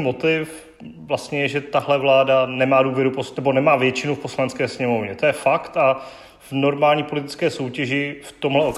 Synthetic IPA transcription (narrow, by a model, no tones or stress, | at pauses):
mo̞t̪ɪf | vlast̪ɲɛjɛʒɛt̪aɦlɛvlaːdanɛmaːduːvjɛɾuponɛbo̞nɛmaːvjɛt͡ʃɪnufpo̞slanɛt͡skɛːsɲɛmo̞vɲɛt̪o̞jɛfakt̪a | vno̞ɾmaːlɲiːpo̞lɪt̪ɪ̥t͡skɛːso̞wcɛʒɪft̪o̞mɦlɛo